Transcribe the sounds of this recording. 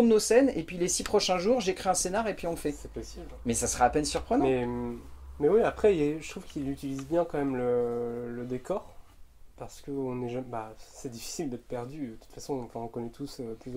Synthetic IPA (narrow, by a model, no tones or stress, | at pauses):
d̪ənosɛnepɥilesipχɔʃɛ̃ʒuʁʒekχiɛ̃senaʁepɥiɔ̃lfɛsɛpɔsiblmɛsasəʁaːpɛnsyʁpχənmɛ | mɛwiapχɛilɛʒət̪χuvkʲilyt̪ilizbjɛ̃kɑ̃mɛmlələd̪ekɔʁpaʁsə̥kəɔ̃nɛʒabasɛd̪ifi̥sild̪ɛt̪ə̥pɛʁd̪yət̪u̥t̪fasɔ̃ɑ̃fɛ̃ɔ̃kɔnɛt̪ʰusøplyz